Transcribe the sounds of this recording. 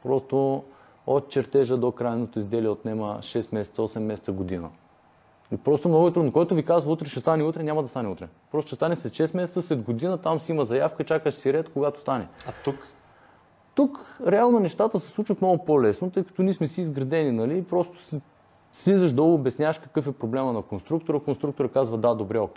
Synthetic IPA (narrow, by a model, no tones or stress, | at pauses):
pɾɔst̪o | ot̪̚t͡ʃɛɾt̪ɛʒəd̪okɾajnnot̪oizd̪ɛliɛot̪nɛmə̰ʃɛst̪mɛsɛt̪sɔsɛmːɛsɛt̪əɡod̪inə̰ | ipɾɔst̪omnoɡʊɛt̪ɾud̪nokoɛt̪ovikazvəut̪ɾɛʃɛst̪anɛut̪ɾɛnʲamɐd̪ɐst̪anɛṵt̪ɾɛpɾɔst̪oʃɛst̪anɛslɛt̪ʃɛsmɛsɛt̪səslɛd̪ɡod̪inət̪amsiiməzɐjafkəit͡ʃakəʃsiɾɛt̪koɡat̪o̥st̪anɛat̪uk | t̪ukɾɛalˠnonɛʃt̪at̪əsɛ̥slˠut͡ʃvɐt̪moɡʊpolɛsnot̪ɤjkɐ̥t̪ɔnismɛsiːzɡɾɐd̪ɛninɐliːpɾɔst̪o̥s | slizəʃd̪ɔlˠɡoːbɛsnʲaəʃkɐ̥kɤfɛpɾoblɛmɐnɐkonst̪ɾuk̚t̪oɾəkonst̪ɾuk̚t̪oɾəkazvɐd̪ad̪obɾɛokɛ